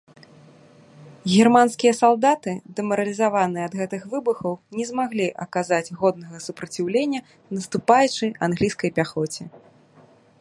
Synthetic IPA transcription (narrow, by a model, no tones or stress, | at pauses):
ɣʲɛrmanskʲijɐsalˠd̪at̪ɨd̪ɛmɐɾɐlʲizavanɨjɛɐd̪ɣɛt̪ɨxvɨbɨxɐwnʲɛzmaɣlʲiʔɐkazad͡zʲɣɔd̪̚nɐɣɐsupɾɐt͡sʲiwlʲenʲːɐ | nɐst̪upajut͡ʂɨjanɣlʲijskɐjpʲaxɔt͡sʲɛ